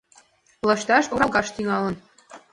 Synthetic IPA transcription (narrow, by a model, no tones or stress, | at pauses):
lɤ̆ʃt̪ɑʃoɾɑlˠɣɑʃt̪iŋɑlə̆n